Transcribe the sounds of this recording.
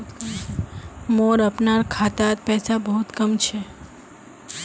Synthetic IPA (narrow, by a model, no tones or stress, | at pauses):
moɾəpnaɾkʰat̪at̪̚pɛsabəɦut̪kəmt͡ʃʰe